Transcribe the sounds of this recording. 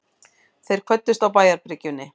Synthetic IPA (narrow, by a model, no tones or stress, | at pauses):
θejɾ̥kʰvœt̪ːʏst̪awpaːjaɾpɾɪcʏnːɪ